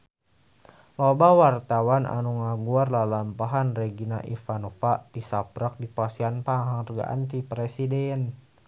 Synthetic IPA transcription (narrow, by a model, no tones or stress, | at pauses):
lɔbawart̪awanʔa̰nuŋaɡuarlalampaɦanrɛɡinaʔḭfanofat̪isapɾak̚dipasianpaŋɦaŋrɡa̰ʔa̰nt̪ipɾɛsidɛn